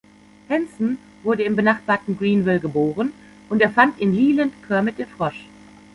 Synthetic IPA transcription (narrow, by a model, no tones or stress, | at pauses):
hɛnsn̩ | vʊɐɾəɪmbənaχb̥aːɐtn̩ɡʁiːnvɪlɡəboːʁ̞ən | ʔʊnteːɐfantɪnliːləntkʰœɐmɪt̚d̥enfʁ̥ɔʃ